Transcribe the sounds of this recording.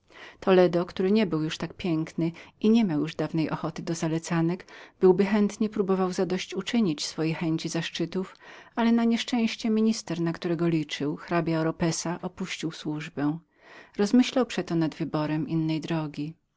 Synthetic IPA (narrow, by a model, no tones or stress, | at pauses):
t̪ɔlɛd̪ɔkt̪uɾɘɲɛbɘwjuʂt̪ak̚pʲjɛŋknɘiɲɛmʲawjuʐd̪avnɛjʔɔxɔt̪ɘd̪ɔzalɛt̪sanɛkb̥ɘwbɘxɛnt̪ɲɛpɾubɔvawzad̪ɔɕt͡ɕut͡ʂɘɲit͡ɕsfɔjexɛɲt͡ɕizaʂt͡ʂɘt̪ufalɛnaɲɛʂt͡ʂɛ̃w̃ɕt͡ɕɛmʲiɲist̪ɛɾnakt̪uɾɛɡɔlʲit͡ʂɘwxɾabʲjaɾɔpɛsaʔɔpuɕt͡ɕiwswuʐbɛw̃ | ɾɔzmɘɕlawpʂɛt̪ɔnad̪vɘbɔɾɛmʔinːɛjd̪ɾɔɡʲi